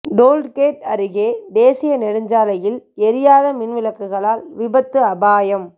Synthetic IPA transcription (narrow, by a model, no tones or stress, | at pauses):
ɖoːlɖkeːʈɐɾɪɣeːd̪eːsɪjɐnɛɾɯɲd͡ʒaːlɐjɪlɛɾɪjaːðɐmɪnʋɪlɐkːɯɣɐɭaːlʋɪbɐt̪ːɯɐbaːjɐm